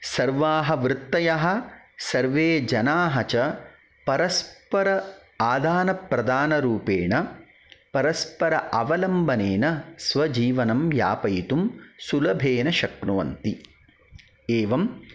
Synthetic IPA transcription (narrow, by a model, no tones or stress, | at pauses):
sɐɾʋaːɦɐʋɾɪt̪ːɐjɐɦɐ̆sɐɾʋeːd͡ʒɐnaːɦɐt͡ʃɐ | pɐɾɐspɐɾɐ | aːd̪ʱaːnɐpɾɐd̪aːnɐɾuːpeːɳɐ | pɐɾɐspɐɾɐʔɐʋɐlɐmbʱɐneːnɐsʋɐd͡ʒiːʋɐnɐmja̰ːpɐjt̪umsulɐbʱeːnɐʃɐk̚nuʋɐ̰nt̪i | eːʋɐm